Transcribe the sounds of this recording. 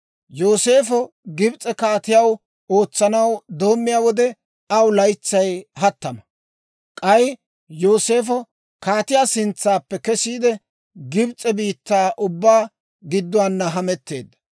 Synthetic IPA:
jo̞ːse̞ːfɔ | ɡɪbt͡sʼɛkaːt̪ɪjɐw | o̞ːt͡sːɐnɐwd̪o̞ːmːɪjaːwɔd̪ɛ | ɐwlɐjt͡sːɐjhɐt̪ːɐmɐ | kʼɐj | joːse̞ːfɔ | kaːt̪ɪjaːsɪnt͡sːaːpːɛkɛsiːd̪ɛ | ɡɪbt͡sʼɛbiːt̪ːaːʔʊbːaː | ɡɪd̪ːʊaːnːɐɦɐmɛt̪ːe̞̰ːd̪ːɐ̥

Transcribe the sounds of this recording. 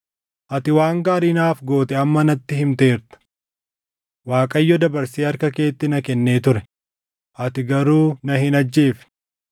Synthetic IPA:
ʔɐt̪ɪwaːŋɡaːɾiːnaːfɡo̞ːt̪ɛɐmːɐnɐt̪ːɪhɪmt̪e̞ːɾt̪ɐ̥ | waːkʼɐjːɔd̪ɐbɐɾsiːɐɾkɐke̞ːt̪ːɪnɐkɛnːe̞ːt̪ʊɾɛ | ʔɐt̪ɪɡɐɾuːnɐhɪnɐd͡ʒːeːf

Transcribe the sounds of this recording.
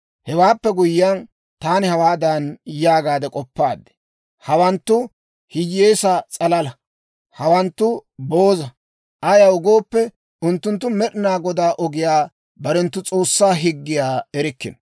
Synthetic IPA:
hɛwaːpːɛɡʊjɪːɐn | t̪aːnɪhɐwaːd̪ɐnjaːɡaːd̪ɛkʼɔpːaːd̪ɛ̥ | hɐwɐnt̪ːʊ | hɪjːeːsɐt͡sʼɐlɐlɐ | hɐwɐnt̪ːʊboːzɐ | ʔɐjɐʊɡo̞ːpːɛ | ʊnt̪ːʊnt̪ːʊmɛɗɪnaːɡɔd̪aːʔɔɡɪjaː | bɐɾɛnt̪ːʊt͡sʼo̞ːsːaːɦɪɡːɪjaːɛɾɪkːɪ̰n

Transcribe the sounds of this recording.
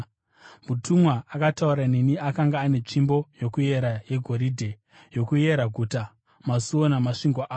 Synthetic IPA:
mutʰumwaakatauɾaneniakaŋɡaːne̞t͡ʂimbo̞jo̞kuje̞ɾaje̞ɡʱo̞ɾiːdʱe | jo̞kuje̞ɾaɡʱuta | masuwo̞namaʂiŋɡwaʔː

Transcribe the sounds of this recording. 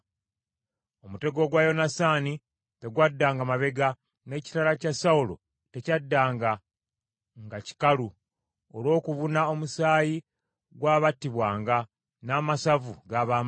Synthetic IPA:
omute̞ɡo̞ɡwajo̞nasaːni | te̞ɡwadːaːŋɡamaβe̞ɡa | ne̞ːci̥talacasaulo̞̰ | te̞cadːaːŋɡa | ŋɡaci̥kalu | olo̞ːkuβunao̞musaːji | ɡwaːβatːiβwaːŋɡa | naːmasavuɡaːβaː

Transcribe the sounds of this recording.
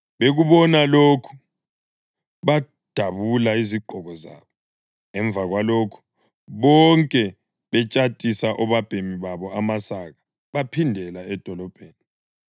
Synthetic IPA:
βeɣuβɔnaloːkʰu̥ | βa | d̥ʱaβulaiziɡ͡ǃʱɔɣɔza̰ːβɔ | ŋɛɱb̪vʱaɣwaloːkʰu̥ | βɔŋkʼɛ | βɛt͡ʃʼatʼisaʔɔβab̥ʱemiβaβɔamasaɣa | βapʰindʱɛlaɛd̥ʱɔlɔb̥ʱeːni

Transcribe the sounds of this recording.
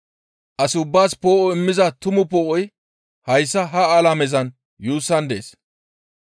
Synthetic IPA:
ʔɐsɪʊbːaːspoːʔɔɪmːɪzɐt̪ʊmʊpoːʔɔj | hɐjsːɐɦɐaːlamɛzɐn | juːsːɐnd̪ḛːs

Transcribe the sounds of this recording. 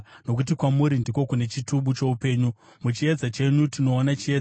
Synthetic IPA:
no̞kut̬ikwamuɾindiko̞kune̞t͡ʃituɓut͡ʃe̞upe̞ːɲu | mut͡ʃie̞d͡zat͡ʃe̞ɲutino̞ːnat͡ʃie

